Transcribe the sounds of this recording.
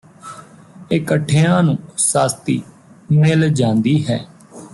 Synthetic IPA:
ɪkəʈʰːeːãːnũːsaːst̪ḭː | meːld͡ʒãːnd̪iːɦɛː

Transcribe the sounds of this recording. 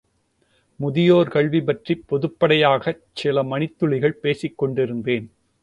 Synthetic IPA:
mʊðɪjoːɾkɐɭʋibɐʈripːɔðɯpːɐɽɐjaːɣɐ | t͡ʃɪlɐmɐnɪt̪ːɯɭɪɣɐɭpeːsɪkːɔɳɖɪɾɯnd̪eːn

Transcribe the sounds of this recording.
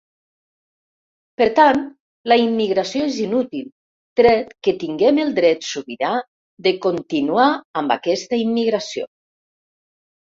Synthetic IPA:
pəɾt̪ant̪ | ləimːiɣɾasjoezinut̪ilˠ | t̪ɾɛt̪kət̪iŋɡɛmelˠd̪ɾɛt̪suβiɾa | ðekont̪inuaːmba̰kɛst̪əimːiɣɾasio̰

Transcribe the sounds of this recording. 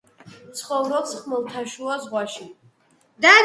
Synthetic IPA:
t̪sʰχɔvɾɔχsχmɔlˠt̪ʰaʃuazʁwaʃi | d̪a

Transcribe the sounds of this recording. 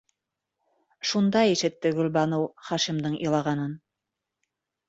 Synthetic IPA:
ʃund̪ɑjiʃɘ̆t̪ːɘɡɵ̆lʲbɑnowχɑʃimd̪ɤɴʔɤlˠɑʁɑnɤn

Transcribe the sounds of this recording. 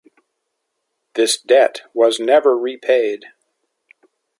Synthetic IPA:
ðɪsd̥ɛt̚wʌznɛvə˞ɹipʰeɪd̥

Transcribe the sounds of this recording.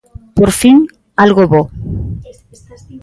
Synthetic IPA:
poɾfin | alɣoβo

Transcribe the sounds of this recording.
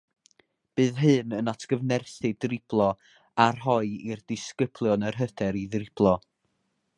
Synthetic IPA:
b̥ɨːðɦɨnənatʰɡ̥əvnɛrθɨdrɪb̥lˠɔ | arɦɔɨirdɪskəb̥lˠjɔnərɦəd̥ɛɾiðrɪb̥lˠɔ

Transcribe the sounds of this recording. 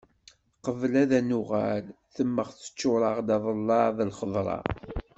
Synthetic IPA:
qəvlæðænʊʁa̰l | θəmːəʁθə̥t͡ʃːʊɾˤəʁd̪ɑðˤəlːɑðˤəlχəðˤɾˤɑ̰

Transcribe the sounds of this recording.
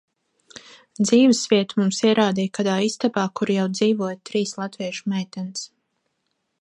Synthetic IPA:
d̪ziːvɨsviɛt̪umumsiɛɾaːd̪ijkad̪aːist̪abaːkuɾjawd̪ziːvuɔjt̪ɾiːslˠat̪viɛʃu̥mɛjt̪ɛns

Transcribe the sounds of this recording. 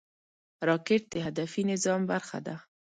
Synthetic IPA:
ɾɑkɪʈ̚d̪eɦad̪afinɪzɑmbaɾxa̰d̪a

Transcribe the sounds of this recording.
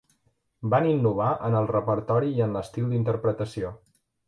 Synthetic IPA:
baninːuβ̞aʔənəlˠrəpəɾt̪ɔɾiːənləst̪iwˠd̪int̪əɾpɾət̪əsio

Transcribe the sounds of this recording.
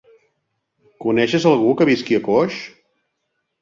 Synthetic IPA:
kunɛʃəzəlˠɣukəβiskiəkoʃ

